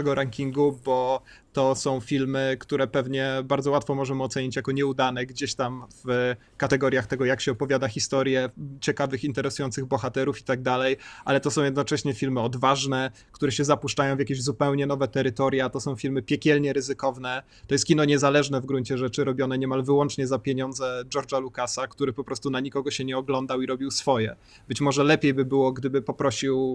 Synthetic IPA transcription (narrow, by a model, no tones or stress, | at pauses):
ɛɡɔɾaŋkʲiŋɡubɔ | t̪ɔsɔ̃w̃fʲilmɘkt̪uɾɛpɛvɲɛbaɾd̪zɔwat̪fɔmɔʐɛmɔt̪sɛɲit͡ɕjakɔɲɛud̪anɛɡd͡ʑeɕt̪amv̥ | kat̪ɛɡɔɾʲjaxt̪ɛɡɔjakɕɛɔpɔvʲjad̪axʲist̪ɔɾjɛt͡ɕɛkavɘxint̪ɛɾɛsujɔnt̪sɘɣbɔxat̪ɛɾufi̥t̪aɡ̚d̪alɛjʔalɛt̪ɔsɔ̃w̃jɛd̪nɔt͡ʂɛɕɲɛfʲilmɘɔd̪vaʐnɛ | kt̪uɾɛɕɛzapuʂt͡ʂajɔw̃vʲjakʲeʑzupɛwɲɛnɔvɛt̪ɛɾɘt̪ɔɾjat̪ɔsɔ̃w̃fʲilmɘpʲjɛkʲɛlɲɛɾɘzɘkɔvnɛ | t̪ɔjɛst̪kʲinɔɲɛzalɛʐnɛvɡɾuɲt͡ɕɛʐɛt͡ʂɘɾɔbʲjɔnɛɲɛmalvɘwɔnt͡ʂɲɛzapʲjeɲɔnd̪zɛd͡ʒɔɾd͡ʐalukasakt̪uɾɘpɔpɾɔst̪unaɲikɔɡɔɕɛɲɛɔɡlɔnd̪awiɾɔbʲiwsfɔjɛ | bɘt͡ɕmɔʐɛlɛpʲjejbɘbɘwɔɡd̪ɘbɘpɔpɾɔɕiw